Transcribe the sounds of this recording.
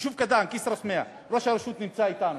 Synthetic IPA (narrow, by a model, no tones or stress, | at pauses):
ʃufkɐd̪aːnkisɾɐsmea | ɾoʃaɾɐʃuːt̪nimt͡saːit̪aːn